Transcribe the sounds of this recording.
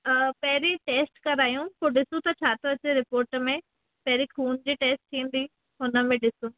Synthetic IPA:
pɐɦɪɾiʈeːsʈkɐɾaːjũpoːɖɪsũt̪ɐt͡ɕʰaːt̪ʰoɐt͡ɕeɾɪpoːɾʈmẽ | pɐɦɪɾikʰuːnd͡ʑiːʈeːsʈ̚t̪ʰĩːn̆d̪i | ɦʊnə̆mẽɖɪsũ

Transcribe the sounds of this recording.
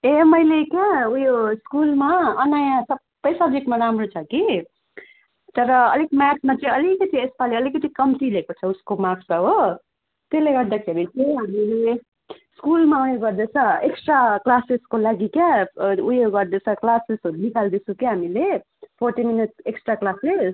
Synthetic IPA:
emʌjlekjaujoskulmaʌnajãsʌbʌjsʌb̚d͡zekʈmaɾamrot͡sʰʌki | t̪ʌɾʌʌlikmasmat͡sʌĩʌlikʌt̪ʰĩespaliʌlikʌt̪ikʌmt̪ilekot͡sʰʌuskomaksaɦo | t̪eleɡʌɾd̪akʰeɾit͡sʌĩɦamile | skulmaujoɡʌɾd̪et͡sʰʌ̃eksʈraklaseskolaɡikaujoɡʌɾd̪et͡sʰʌklasisɦoɾunikʰald̪it͡sʰũkeɦamile | pʰoɾʈiminiʈeksʈraklasess

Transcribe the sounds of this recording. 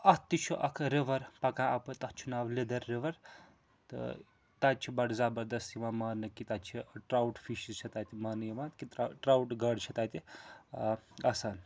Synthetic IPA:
ɐt̪it͡ʃʰuʔɐkʰɾeʋɐɾpɐkãːʔɐpɨt̪ɐkt͡ʃʰunaːʋled̪ɐɾːeʋɐɾ | t̪ɨ̰ | t̪at͡ʃʰibɐʈzaːbɐɾd̪ɐst̪imaːmaːnɨkit̪at͡ʃʰiʈɾawʈfiʃizt͡ʃʰɐt̪aːt̪imaːnɨjimaːt̪kit̪ʈɾawʈɡɐɖt͡ʃʰɐt̪aːt̪i | ɐsaːn

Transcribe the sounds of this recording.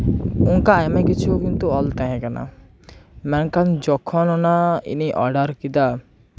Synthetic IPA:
uŋkaamekit͡ʃʰukint̪uɔlt̪aɦɛ̃kana̰ | mɛŋkand͡ʒɔkʰɔnɔnaḭniʔɔ̰ɾɖaɾkid̪a

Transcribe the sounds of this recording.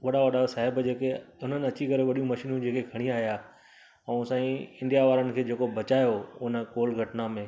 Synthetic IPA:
ʋɐɗaʋɐɗasaːɦɪbd͡ʑeːkeʊn̤ənɪ̆ɐt͡ɕikɐɾeʋɐɗijũmɐʃiːnũd͡ʑeːkekʰɐɽ̃ĩaːɦjaː | ɛ̃ːsãːĩɪ̃nɖijaʋaːɾənɪ̆kʰeːd͡ʑeːkobɐt͡ɕaːjoʊnə̆koːlɡʱɐʈnamẽː

